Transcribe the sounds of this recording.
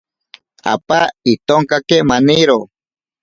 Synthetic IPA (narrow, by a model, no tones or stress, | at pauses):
a̰pait̪oŋkakemaniɾo